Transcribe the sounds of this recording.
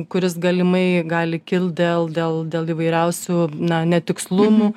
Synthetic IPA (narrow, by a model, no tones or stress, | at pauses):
kʊɾʲɪsɡɐlʲɪmɐɪɡɑːlʲɪkʲɪlˠt̪̚d̪ʲeːlˠd̪ʲeːlˠd̪ʲeːlˠiːʋɐɪɾʲɛʊsʲuːnɐnʲɛt̪ʲɪkslˠʊmu